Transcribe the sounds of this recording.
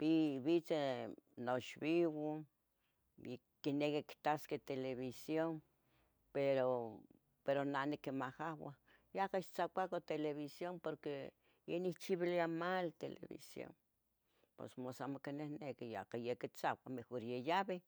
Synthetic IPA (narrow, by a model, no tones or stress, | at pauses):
piβit͡senoʃβiwo | j | kːinekikt̪asket̪eleβisjon | peɾo | peɾonanikemahawa | jakaʃt͡sakʷakot̪eleβisjompoɾke | jeniht͡ʃiβiliamalt̪elḛβḭsjo̰n | po̰smosamokenehnekija̰kajekit͡sakʷamexoɾjejaβe